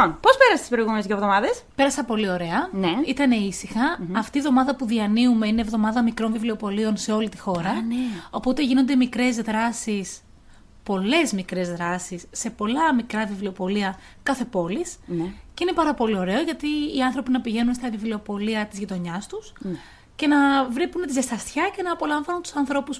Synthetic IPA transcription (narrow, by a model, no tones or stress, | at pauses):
onpo̞speɾɐse̥t̪ispɾoiɣumenezjiovðo̞mɐðespe̞ɾɐsɐpo̞lio̞ɾe̞ɐneit̪ɐne̞isixɐːft̪iːvðo̞mɐðɐpuðiɐniume̞ine̞ːvðo̞mɐðɐmikɾo̞nvivlio̞po̞lio̞nse̞o̞lit̪ixo̞ɾɐno̞po̞t̪e̞ʝino̞nd̪e̞mikɾe̞zðɾɐsis | po̞le̞zmikɾe̞zðɾɐsisːe̞po̞lɐmikɾɐvivlio̞po̞liɐ | kɐθe̞po̞lisceine̞pɐɾɐpo̞lio̞ɾe̞o̞ʝɐt̪iːɐnθɾo̞pinɐpiʝe̞nunst̪ɐvivlio̞po̞liɐt̪izʝit̪o̞ɲɐst̪us | ce̞nɐvɾipunet̪izɐst̪ɐst̪çɐce̞nɐːpo̞lɐɱvɐnunt̪u̥sɐnθɾo̞pus